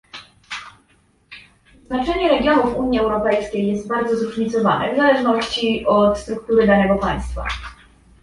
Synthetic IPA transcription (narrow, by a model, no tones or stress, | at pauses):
znat͡ʂɛɲɛɾɛɡʲjɔnufuɲiɛwɾɔpɛjskʲejːɛst̪̚baɾd̪zɔzɾuʐɲit̪sɔva̰nɛ̰vzalɛʐnɔɕt͡ɕiɔt̪st̪ɾuk̚t̪uɾɘd̪anɛɡɔpaj̃st̪fa̰